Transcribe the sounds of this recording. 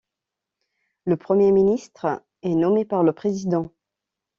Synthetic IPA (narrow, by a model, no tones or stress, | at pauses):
ləpχəmjeminist̪χ | ɛnɔmepaʁləpχezid̪ɑ̃